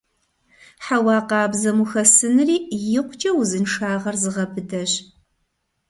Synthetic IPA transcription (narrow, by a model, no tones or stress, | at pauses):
ħawɑːqɑːbzɐmuxɐsɨnɨriːjɪqʷʊt͡ʃʼɐwzɨnʂaːʁɐrzɨʁɐbɨdɐɕ